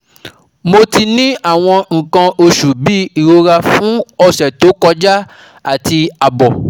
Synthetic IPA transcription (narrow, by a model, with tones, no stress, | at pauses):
mo˧ti˧nĩ˦a˦˨w̃ɔ̃˧ŋ̩˨kã˧o˧ʃu˨bi˦i˨ɾo˧ɾa˧fũ˨˦ɔ˧ʃɛ˨to˨˦kɔ˧d͡ʒa˦ | a˦˨ti˧a˨bɔ˨